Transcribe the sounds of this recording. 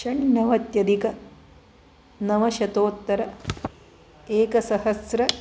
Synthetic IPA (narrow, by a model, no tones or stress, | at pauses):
ʃɐɳːɐʋɐt̪jɐd̪ikɐ | nɐʋɐʃɐt̪oːt̪ːɐɾɐ | eːkɐsɐhɐsɾɐ